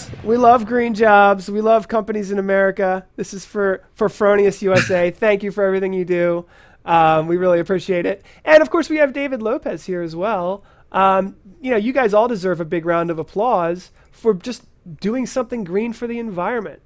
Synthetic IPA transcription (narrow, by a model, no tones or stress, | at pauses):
wilʌvɡɹĩnd͡ʒɑbzwilʌv̥kʰʌ̃mpɨnizɨ̃nɨmɛɹɨkɨðɪsɨz̥fə˞fə˞fɹõʊ̃ɾiɨsjʉɛseɪθæ̃ŋkjɨfə˞ɛvɹiθɪ̃ŋjɨdʉ | ʔʌ̃mwiɹɪlˠiɨpʰɹ̥iʃieɪɾɪt̚ | ʔɨ̃ñʌv̥kʰɔɹswiɨvdeɪvɨdˡloʊpɨz̥hiɹɨzwɛlˠ | ʔʌ̃mjɨnoʊjɨɡaɪzɔlˠdɨzɜ˞vɨbɪɡɹãʊ̃ndʌvəpʰl̥ɔz̥ | fə˞d͡ʒʌs | d̥ʉɪ̃ŋsʌ̃mθɪ̃ŋɡɹĩnfə˞ðiɨ̃ɱvaɪɹɨ̃nmɨ̰̃nt̚